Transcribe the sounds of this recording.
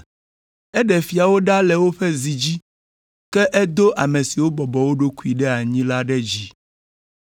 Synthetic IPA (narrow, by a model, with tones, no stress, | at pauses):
ɛ˦ɖɛ˨fi˨a˨wo˦ɖa˦lɛ˨wo˦ɸɛ˦zi˨d͡ʑi˦ | kɛ˦ʔɛ˦d̪o˦ʔa˨mẽ˨si˨wo˦bɔ˨bɔ˨wo˦ɖo˦ku˦i˨ɖɛ˦a˨ɲĩ˦la˦ɖɛ˦d͡ʑi˨